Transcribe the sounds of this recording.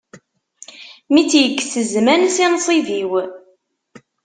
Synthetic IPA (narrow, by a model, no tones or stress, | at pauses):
mit͡sːjəkːsəzmænsinsˤiviw